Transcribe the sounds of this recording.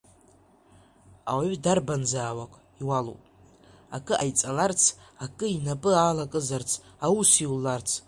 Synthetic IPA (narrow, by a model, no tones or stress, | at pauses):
a̰waɥdarbanzaːwakʷʼ | iwalṵpʼ | akʼɨʔajt͡sʼalart͡sʰakʼɨinapʼɨaːlakʼɨzart͡sʰawusiwlːart͡sʰ